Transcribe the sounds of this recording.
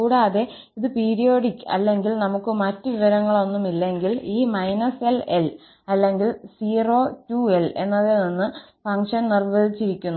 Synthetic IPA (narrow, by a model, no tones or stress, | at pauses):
kuːɽaːðe̞ | iðɨpeːɾijo̞ːɽikːɨɐ̰lːe̞ŋɡilnɐmukːɨmɐtːɨʋiʋɐɾɐŋːɐɭo̞nːumilːeŋɡiliːmɐjnɐse̞lel | ɐlːe̞ŋɡilsiːro̞ːtːue̞le̞̰nːɐðeninːɨ | fɐŋʂɐnnirʋɐðit͡ɕːiɾikʲːunːu